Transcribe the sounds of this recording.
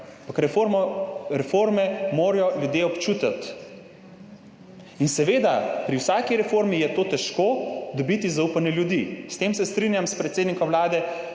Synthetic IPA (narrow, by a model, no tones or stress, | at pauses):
mpakɾɛ | ɾɛfoːɾmɛmoːɾjɔljud̪jeːɔpt͡ʃuːt̪at̪ | insɛʋeːd̪apɾiwsaːkiɾɛfoːɾmijɛt̪oːt̪ɛʃkod̪ɔbit̪izaupanɛljud̪ist̪eːmsɛst̪ɾinjamspɾɛt̪seːd̪nikɔmwlaːd̪ɛ